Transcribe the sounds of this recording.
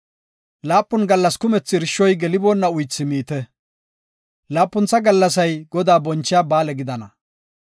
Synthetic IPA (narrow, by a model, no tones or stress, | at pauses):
laːpːʊnɡɐlːɐskʊmɛt͡sːɪɾɪʃːɔjɡɛlɪboːnːɐʊjt͡sːɪmiːt̪ɛ | laːpːʊnt͡sːɐɡɐlːɐs̬ɐjɡɔd̪aːbɔnt͡ʃːɪjaːbaːlɛɡɪd̪ɐnɐ